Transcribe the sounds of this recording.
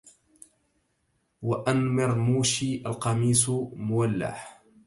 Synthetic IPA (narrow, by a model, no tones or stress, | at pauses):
waʔanmɪɾmuːʃiːʔalqɑmiːsmʊwalːa̰h